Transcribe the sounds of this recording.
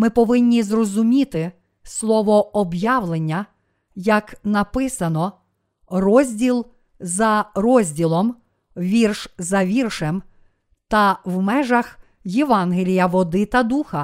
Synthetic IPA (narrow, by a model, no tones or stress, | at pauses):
mɪpɔʋɪnʲːizrɔzʊmʲit̪ɪ | slˠɔʋɔɔbjɑʋlˠenʲːɐ | jɐknɐpɪsɐnɔ | rɔzʲdʲilˠ | zɐrɔzʲdʲilˠɔm | ʋʲirʃzɐʋʲirʃem | t̪ɐʋmɛʒɐx | jeʋɑnɦelʲijɐʋɔd̪ɪt̪ɐd̪uxɐ